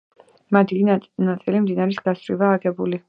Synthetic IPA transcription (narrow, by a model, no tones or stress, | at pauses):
mad̪inat̪sʼilimd̪inaɾisɡasɾivaːɡɛbuli